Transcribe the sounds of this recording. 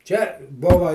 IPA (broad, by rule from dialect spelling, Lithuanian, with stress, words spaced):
t͡ʃʲɛ ˈbʊʋɐ